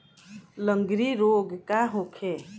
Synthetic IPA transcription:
ləŋɡɾiɾoɡkaɦokʰe

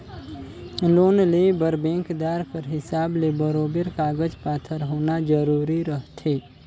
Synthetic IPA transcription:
loːnlebəɾbẽːŋkd̪aːɾpəɾɦɪsaːblebəɾoːbɾkaːɡəd͡ʒpaːt̪ʰəɾɦoːnad͡ʒəɾuːɾiɾəɦt̪ʰeː

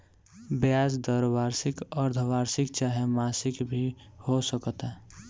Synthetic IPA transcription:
bjaːsd̪əɾbaːɾsɪkəɾd̪ʱʋaːɾsɪk̚t͡ʃaːɦemaːsɪkbʱihosəkət̪ɦɛ

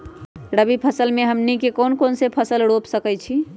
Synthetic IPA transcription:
ɾəbipʰəsəlmeɦəmnikekonkonsepʰəsəlɽopsəkɛjt͡ʃʰi

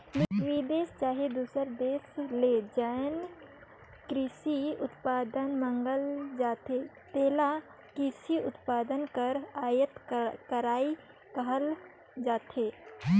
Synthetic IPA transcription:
mʋiːd̪eːst͡ʃaːɦed̪uːsəɾd̪eːsled͡ʒajn | kɾɪsiʊt̪paːd̪ənmə̃ŋɡəld͡ʒaːt̪e | t̪eːla | kɾɪsiʊt̪paːd̪ənkəɾaːjət̪kəɾaːi | kəɦəl | d͡ʒaːt̪eː

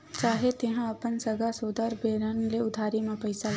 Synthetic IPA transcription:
t͡ʃaːɦet̪ɪɦãɐpənsɐɡasoːd̪əɾbeːɾənleʊd̪ʱaːɾimẽpɐɪsa

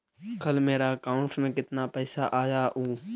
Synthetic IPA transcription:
kəlmeːɾaːəkaːʊɳʈmẽkɪt̪naːpɛːsaʔaːjaːʔuː

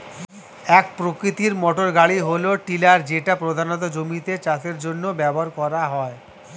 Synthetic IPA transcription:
ɛk̚pɾokɾit̪iɾmɔʈoɾɡaɽiɦoloʈilaɾd͡ʑeʈapɾod̪ʱanot̪̬ad͡ʑomit̪et͡ɕaseɾd͡ʑonːobɛboɾkɔɾaɦɔe

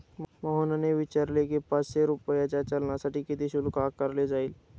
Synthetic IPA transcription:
mɔɦənəneʋɪt͡ʃaɾlekepaseɾʊpəjad͡ʒat͡ʃɐlnasɐʈikid̪iʃʊlkaːkːəɾled͡ʒaːil

